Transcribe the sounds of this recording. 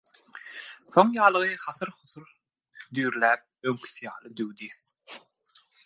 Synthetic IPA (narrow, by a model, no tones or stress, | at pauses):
θo̞ŋjɑːlˠɯʁɯχɑθɯɾχʊθuɾ | d̪yːɾlæːp̚øŋkʰʲi̥θijɑːhlˠɯd̪øwd̪i